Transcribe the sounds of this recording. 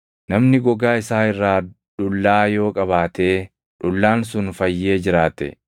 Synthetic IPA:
nɐmnɪɡɔɡaːɪsaːɪrːaː | ᶑʊlːaːjo̞ːkʼɐβaːt̪e̞ː | ᶑʊlːaːnsʊnfɐjːe̞ːd͡ʒɪɾaːt̪ɛ̰

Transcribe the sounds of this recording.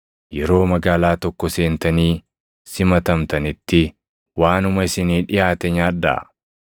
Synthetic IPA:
jɛɾo̞ːmɐɡaːlaːt̪ɔkːɔse̞ːnt̪ɐniː | sɪmɐt̪ɐmt̪ɐnɪt̪ːɪ | waːnʊmɐɪsɪniːᶑɪjaːt̪ɛɲaːᶑdɐ̰

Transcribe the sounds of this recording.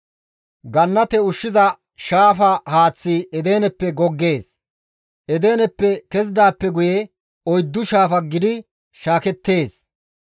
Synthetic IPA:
ɡɐnːɐt̪ɛʊʃːɪzɐ | ʃaːfɐhaːt͡sːiɛd̪eːnɛpːɛɡɔɡːe̞ːs | ʔɛd̪e̞ːnɛpːɛkɛz̬d̪aːpːɛɡʊjɛ | ɔjd̪ːʊʃaːfɐɡɪd̪ɪ | ʃaːkɛt̪ːe̞ːs

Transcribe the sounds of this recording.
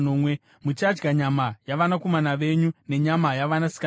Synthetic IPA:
noːmwe | mut͡ʃad͡ʒɡaɲamajaʋanako̞manaʋe̞ɲune̞ɲamajaʋanasi̥ka

